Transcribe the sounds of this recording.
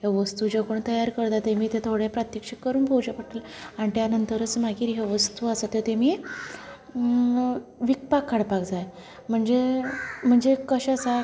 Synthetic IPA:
ɦeʋəst̪uːd͡ʑekoɳt̪əjaɾkəɾt̪at̪emiːt̪et̪ʰoɽẽpɾat̪jəkʂekːəɾuːnbʱowd͡ʑəpəʈʰəlaɳit̪janənt̪əɾət͡smaɡiːɾɦeʋəst̪uasat̪jet̪emiː | ʋik̚pakʰːaɽpakd͡zaj | m̤əɳd͡zem̤əɳd͡zekəɕasa

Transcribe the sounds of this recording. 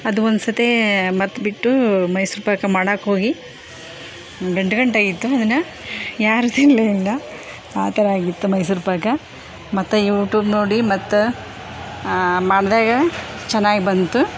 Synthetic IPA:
ɐd̪uond̪sɐt̪emɐt̪ːbiʈːumɐjsuɾpaːkɐmaːɽaːkɦo̞ːɡi | ɡɐɳɖɡɐɳʈaːɡit̪ːuɐd̪ɐnːɐ | jaːɾut̪ilːɐilːɐ | aːt̪ɐɾaːɡit̪ːumɐjs̬uɾpaːkɐ | mɐt̪ːujuːʈjuːbno̞ːɽimɐt̪ːu | maːɽd̪aːɡɐt͡ʃɛnːaːɡibɐnt̪u

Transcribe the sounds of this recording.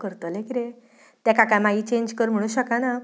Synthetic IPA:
kəɾt̪əlẽkiɾe | t̪jɛkakamait͡ɕeɲd͡ʑkəɾm̤əɽ̃ũɕəkana

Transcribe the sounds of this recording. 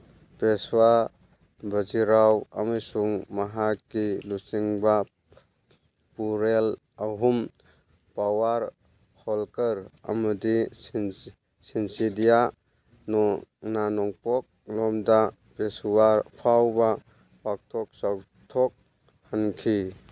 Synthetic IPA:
peswa | bʱɐziɾawa̰majsuŋmaɦakːilusiŋba | puɾel | aɦum | pawaɾ | hɔlkəɾɐ̰madi | sinsidija | nɔnanɔŋpɔk̚lɔmda | peswaɾpʰawba | pak̚tʰɔk̚saw | tʰɔk̚ | hankʰi

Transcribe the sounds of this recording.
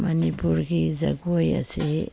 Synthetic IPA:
manipuɾɡiza̰ɡuoja̰si

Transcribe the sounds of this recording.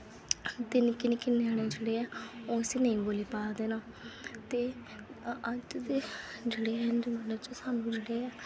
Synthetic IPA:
t̪ɪnkɪnekɪneaːɽ̃eːd͡ʒeːɽeːɛːoːseːnəĩːboːleːpaːd̪eːnaː | t̪eː | əd͡ʒt̪ed͡ʒeɽeːɛːnməət͡ʃosaːnũːd͡ʒeɽeːɛː

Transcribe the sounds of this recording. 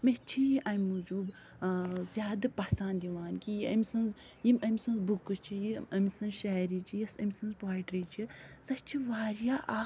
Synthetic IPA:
met͡ʃʰijiʔɐmʲːud͡ʒuːb | zʲjaːd̪ɐpɐsaːnd̪d̪iʋaːnkijiɐmʲsɐ̃nz | jimɐmʲsɐ̃nzbukɨt͡ʃʰijiɐmʲsɐ̃nzʃaːɾit͡ʃʰijɐsɐmʲsɐ̃nzbaːiʈɾit͡ʃʰisɐt͡ʃʰiʋaːɾjaːʔaː

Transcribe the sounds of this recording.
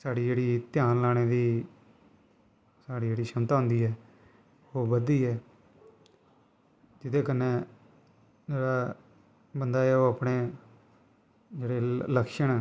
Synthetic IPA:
saːɽiːd͡ʒeːɽiːt̪ɪjaːnlaːɽ̃eːd̪iː | saːɽiːd͡ʒeːɽiːʃəmt̪aːɦʊ̃nd̪iːɦɛː | oːbəd̪iːɦɛː | d͡ʒɪt̪eːkənːeː | d͡ʒeːɽaː | bənd̪aːɛoːapɳeː | d͡ʒeːɽeːləkʃəɳ̃ː

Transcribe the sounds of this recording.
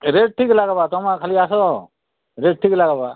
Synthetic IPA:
ɾeːʈ̚ʈʰiːklaɡabat̪ɔmãkʰaliaːsoo | ɾeːʈ̚ʈʰiːklaːɡabaː

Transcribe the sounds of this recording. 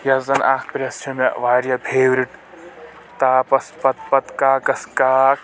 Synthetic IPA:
jɐzɐnʔa̰ːkʰpɾʲɐst͡ʃʰimɐʋaːɾjɐbʰʱeːʋɾiʈ | t̪aːpɐspɐt̪̚pɐt̪kaːkɐskaːk̚

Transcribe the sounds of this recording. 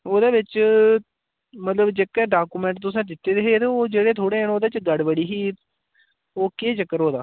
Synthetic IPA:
oːd̪eːʋɪt͡ʃ | mət̪ləbd͡ʒekːɛːɖaːkuːmɛ̃ːɳʈ̚t̪ʊsãːd̪ɪt̪ːeːd̪eɦeːt̪eːoːd͡ʒeːɽeːt̪ʰoːɽeːənoːd̪eːɪt͡ʃɡəɽbəɽiːɦiː | oːkeːt͡ʃəkːəɾɦoːd̪aː

